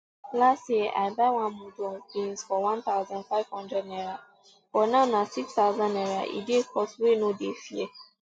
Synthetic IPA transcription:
lastjeʔabawãmodɔbĩnsfɔwãnt̪aʊzãnfav̥hɔ̃ndɛdnɛɾa | fɔnãnãsikst̪aʊzãnɛɾaʔḭdekɔswenõdefiɛ

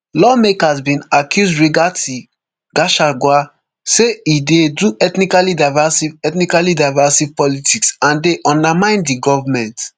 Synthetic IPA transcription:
lɔmekasbĩnakjuzdɹiɡati | ɡaʃaɡwa | seidedɹuʔɛtnikalidaɪvasivɛtnikalidaɪvasiv̥pɔlitʰiksãndeʔɔ̃ndamãɪ̃ndiɡɔvamɛ̃nt

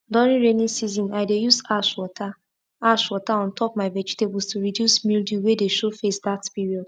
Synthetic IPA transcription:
dɔɹĩnɹenĩsizɔ̃naɪdejuzaʃwɔta | aʃwɔtaɔ̃ntʰɔp̚maɪvɛd͡ʒitebɔlstuɹidjusmildjuwedeʃofesdatpiɹiɔd̥

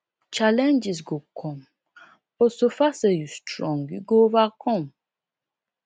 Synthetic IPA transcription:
t͡ʃalɛ̃nd͡ʒisɡokʰɔ̃m | bɔsofasəjustɾɔ̃ŋɡiɡovakʰɔ̃m

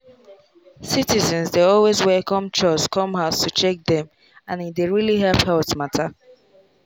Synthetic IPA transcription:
sitizɛ̃nzdeɔlwezwɛlkɔ̃mt͡ʃɔskɔ̃mɦaʊstʰut͡ʃɛk̚d̪ɛ̃m | ãnideɹiliɦɛlphɛʊtmatʰa

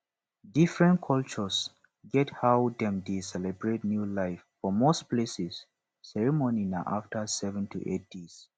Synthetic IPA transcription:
difɹɛ̃nkʰɔlt͡ʃɔs | ɡɛthawdɛ̃mdesɛlɛbɹet̚njulaɪfːɔmosplesisː | ɛɹimɔninaʔaftʰəsɛvɛ̃ntʰṵʔḛt̚d̥is

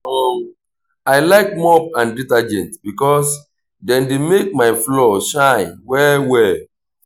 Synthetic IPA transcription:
ɔm | aɪlaɪk̚mɔp̚ãnditad͡ʒɛ̃ntbikɔs | dɛ̃ndemek̚maɪflɔʃãɪ̃nwɛwɛ

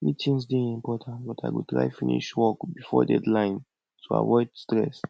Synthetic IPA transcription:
mitʰĩnsdẽnĩmpɔtʰãntbɔtaɪɡotɹa̰ɪfĩnḭʃwɔkbifɔdɛdlãɪ̃n | tʰua̰vɔɪdstɹɛs

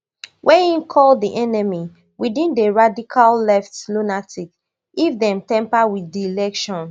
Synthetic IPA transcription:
wʔɛ̃nĩnkʰɔldiʔɛnɛmi | widĩndeɹadikʰallɛftlunatʰik | ifdɛ̃mtɛ̃mpawiθdiilɛkʃɔ̃n

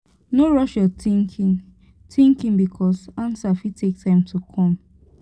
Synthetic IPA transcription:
noɹɔʃjɔiki | tĩŋkĩŋbikʰɔsãnsafitʰek̚tʰãɪ̃mtʰukʰɔ̃m

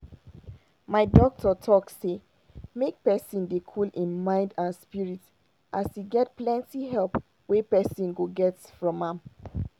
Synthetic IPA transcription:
maɪdɔk̚tʰətʰɔkse | mek̚pɛsĩndekʰulĩnmãɪ̃ndãnspiɹit | ʔasjiɡɛt̚plɛ̃ntiɦɛlp | wepɛsɔ̃nɡoɡɛtsfɹɔ̃mãm

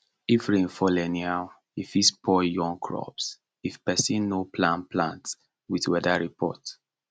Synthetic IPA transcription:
ifɹẽnfɔlɛnial | ifispʰɔjɔ̃ŋkʰɹɔ̰ps | ifpɛsĩnːopʰlãnpʰlã̰nts | witwɛdaɹipʰɔ̰t

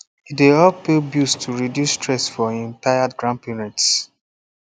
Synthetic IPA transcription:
iteɔpebjustʰuɹidjustɹɛsfɔĩntajadɡɹãnpinɛ̃ts

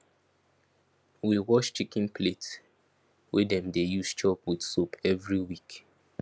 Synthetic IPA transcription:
wiwɔʃt͡ʃikĩnplet | wedɛ̃mdejust͡ʃɔpwid̥sopʰɛvɹiwik

